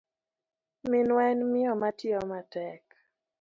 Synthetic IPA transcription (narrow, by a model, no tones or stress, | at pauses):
mɪnwɛnmɪɔmatjɔmatɛk